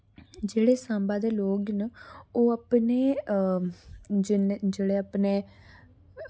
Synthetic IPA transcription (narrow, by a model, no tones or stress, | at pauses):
d͡ʒeːɽeːsãːmbaːd̪eːloːɡnoːapneː | d͡ʒd͡ʒeːɽeːəpneː